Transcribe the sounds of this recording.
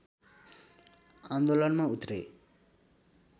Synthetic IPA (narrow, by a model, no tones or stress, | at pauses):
and̪olʌnmãut̪ɾe